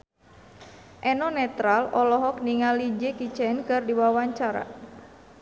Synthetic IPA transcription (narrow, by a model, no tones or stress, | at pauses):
ʔɛnɔnɛt̪ɾalɔlɔɦɔk̚niŋalid͡ʒekit͡ʃɛnkɨrdiwawaɲt͡ʃaɾa̰